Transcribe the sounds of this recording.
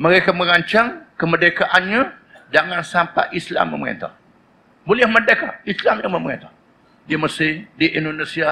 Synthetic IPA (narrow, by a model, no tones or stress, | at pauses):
məɾekaməɾaɲt͡ʃaŋkəmədekaʔanɲã | d͡ʒaŋansampa̰ʔisla̰mːə̰məɾḛnt̪a̰h | bolɪhmədekaislamjaŋməməɾḛnt̪ah | diməsidiʔindonesia